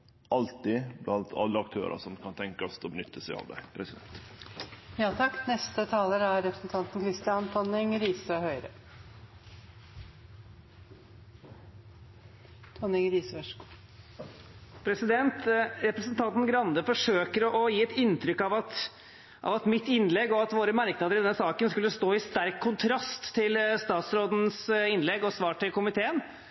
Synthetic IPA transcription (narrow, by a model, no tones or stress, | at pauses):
ɑlt̪ɪblʔɑnt̪ʰɑ̰lːəɑk̚t̪ʰø̰ːɾʔɑ̰sɔmkʰɑnt̪ʰɛŋkɔst̪ʰɔbənʏt̪ʰːəsæɪɑ̰ːʋd̪ɛ̰pʰɾɛsɪd̪ɛ̰nt̪ | jɑːt̪ʰɑkːnɛst̪ət̪ʰɑːləɾæɾɾɛpɾəsn̩t̪ʰɑnt̪n̩kʰɾɪst̪ɪɑnt̪ʰɔnɪŋɾiːsəhœʏɾə | t̪ʰɔnɪŋɾiːsʋɛʂkː | pʰɾɛsɪd̪ɛnt̪ɾɛpɾəsnt̪ʰɑnt̪n̩ɡɾɑnd̪əfɔʂøːkəɾɔʔɔjiːɛt̪ɪnt̪ɾʏkːɑʋɑt̪ | ʔɑ̰ʋɑt̪mɪt̪ːɪnlɛɡɔɑt̪ʋoːɾəmæɾknɑd̪əɾɪd̪ɛnəsɑːkənskʉlːəst̪oːɪst̪æɾkʰːʊnt̪ʰɾɑst̪ʰːɪlst̪ɑːt̪sɾoːd̪n̩sɪnlɛɡɔsʋɑːʈɪlkʰʊmɪt̪ʰeːən